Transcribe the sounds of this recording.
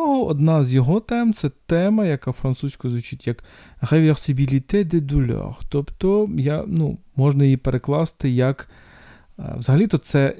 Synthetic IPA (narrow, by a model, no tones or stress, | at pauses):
ɔɦɔɔd̪nɑzjɔɦɔt̪ɛmt̪sɛt̪ɛmɐjɐkɑwfɾɐnt̪susʲkʊzʋʊt͡ʃitʲjɐk | ɣeʋʲersɪbʲilʲit̪ɪd̪ɪd̪ʊlʲɔ̰xt̪ɔpt̪ɔjanu | mɔʒnɐjipeɾeklˠɑst̪ɪjɐk | ʋzɐɦɐlʲit̪ɔsɛ